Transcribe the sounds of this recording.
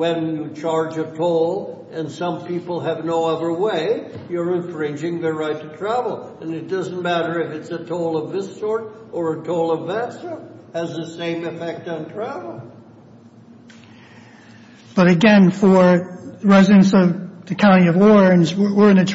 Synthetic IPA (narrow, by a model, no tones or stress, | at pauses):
wɨ̃njɨt͡ʃʰɑɹd͡ʒɨtʰoʊlˠ | ɨ̃nsʌ̃mpʰipl̩ˠɨvnoʊʌðə˞weɪjə˞ɨ̃ɱfɹɪ̃nd͡ʒɪ̃ŋðɨɹaɪtʰɨtʰɹ̥ævl̩ˠɨ̃nɨt̚d̥ʌz̃n̩mæɾə˞ɨfɨtsɨtʰoʊlˠʌvðɪsɔɹɾə˞ətʰoʊlˠʌvðætsəhɨzðɨsẽɪ̃mɨfɛk̚tn̩tʰɹ̥ævl̩ˠ | b̥ʌɾɨɡɛ̃nfə˞ɹɛzɨɨ̃nsʌvðɨkʰãʊ̃ɾ̃iʌvɔɹ̃nzwə˞ɨ̃nɨtʰ